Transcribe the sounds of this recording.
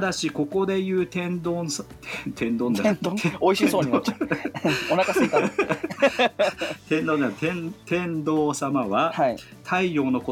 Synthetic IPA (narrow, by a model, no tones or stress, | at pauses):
d̪aɕiko̞ko̞d̪e̞jɯ̟ːt̪ẽ̞nd̪osʰet̪ʰẽnd̪õnd̪aeoiɕisoːɲit͡ɕ | onaka | t̪ẽ̞nd̪onat̪ẽnt̪ẽ̞nd̪o̞ːsamaβahai | t̪ʰaijo̞ːno̞ko